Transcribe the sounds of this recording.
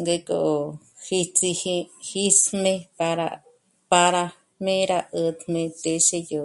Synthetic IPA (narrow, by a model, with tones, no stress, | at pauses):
ŋɡe˧ko̰˧˨hi˧t͡si˧hi˧hi˦smẽ˧pa˧ɾa̰˧ | pa˧ɾa˧ | mẽ˦ɾa˧ʔə˧d̪mẽ˧t̪e˧ʃe˦˧jo˧